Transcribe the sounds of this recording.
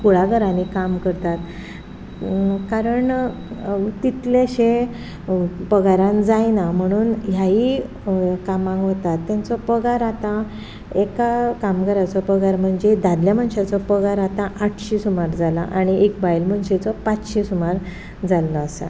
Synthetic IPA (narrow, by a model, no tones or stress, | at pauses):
kuɭaɡʱəɾãnikamkəɾt̪at̪ | kaɾəɳ | t̪it̪leɕẽ | pəɡaɾãnd͡zajnam̤əɽ̃uːnɦjaɦi | kamãŋɡɦot̪at̪ːãnt͡sɔpəɡaɾat̪ã | ekakamkəɾat͡sɔpəɡaɾm̤əɳd͡zed̪ad̪ljaməɳɕat͡sɔpəɡaɾat̪ãʔaʈʰɕiːsumaɾd͡zala̰ʔaɽ̃iekbajlm̤əɳɕet͡sɔpat͡sɕiːsumaɾ | d͡zalːɔːsa̰